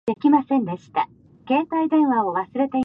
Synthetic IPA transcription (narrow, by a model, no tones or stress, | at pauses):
e̞kʲimasẽ̞nd̪e̞ɕi̥t̪a | ke̞ːt̪aid̪ẽ̞ɰ̃βao̞βasɨɾe̞t̪e̞